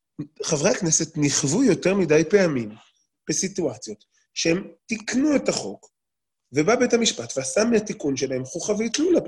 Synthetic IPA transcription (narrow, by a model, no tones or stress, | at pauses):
χavʁeaknese̞tniχvujo̞te̞ʁmidajpe̞amim | b̥esituat͡sjo̞t̪ | ʃehemtiknuetaχo̞k | vebabe̞thamiʃpatveasamiatikunʃe̞lahe̞mχoχaveitlula